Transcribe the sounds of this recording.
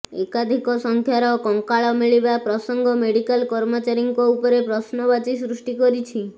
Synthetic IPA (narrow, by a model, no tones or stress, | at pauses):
ekad̪ʱikɔsɔŋkʰjaɾɔkɔŋkaɭɔmiɭibapɾɔsɔŋɡʱɔmeɽikalkɔɾmɔt͡ʃaɾiŋkɔupɔɾepɾɔsnɔbat͡ʃisɾusʈikɔɾit͡ʃʰi